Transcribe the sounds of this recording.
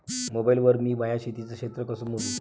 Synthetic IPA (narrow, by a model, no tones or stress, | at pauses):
mobailʋəɾmiːmajaɕit̪it͡səkʂet̪ɾəkəsuːn̤ot̪u